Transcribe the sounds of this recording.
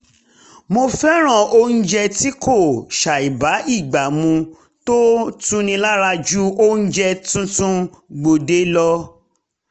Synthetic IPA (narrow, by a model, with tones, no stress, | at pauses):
mo˧fɛ˦ɾ̃ã˦˨o˦n̩˦d͡ʒɛ˧ti˦kʰo˦˨ʃa˨i˨ba˨˦i˦˨ɡ͡ba˨mũ˧ | to˦tũ˦nĩ˧la˦ɾa˧d͡ʒu˦o˦n̩˦d͡ʒɛ˧tũ˦tũ˦ɡ͡bo˨de˨˦lɔ˧